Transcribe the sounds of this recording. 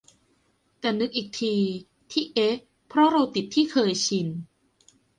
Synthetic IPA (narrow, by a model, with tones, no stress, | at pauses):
t̪ɛː˨˩nɯ˦˥k̚ʔiː˨˩k̚t̪ʰiː˧ | t̪ʰiː˥˩ʔe˦˥ | pʰɾɔ˦˥ɾa˧wt̪i˨˩t̪ʰːiː˥˩kʰɤː˧jt͡ɕʰi˧n